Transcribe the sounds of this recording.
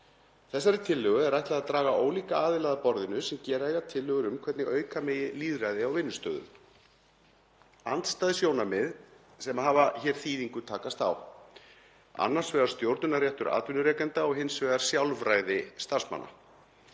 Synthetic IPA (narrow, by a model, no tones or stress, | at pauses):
θɛsːaɾɪt̪ʰɪlːœɣʏɛɾajçht̪laðat̪ɾaːɣaʔoːwliːkaaːðɪlaːðapɔɾðɪnʏsɛmcɛːɾaɛɣat̪ʰɪlːœːɣʏɾʏmkʰvɛt̪nɪʔœːɥkamɛːjɪliːðrajðɪawvɪnːʏst̪œːðʏ̰ | ant̪st̪aːðɪsjoːwnamɪð | sɛmaɦaːvaçɛːɾ̥θiːðiŋkʏt̪ʰaːkast̪a̰w | a̰nːaɾ̥svɛːɣaɾ̥st̪jowɾt̪nʏnaɾrjɛht̪ʏɾʔa̰ːt̪vɪnʏɾɛːkɛnt̪aɔɣɦɪnsvɛːɣaɾ̥sjawlvɾaːjðɪst̪arsma̰nːa̰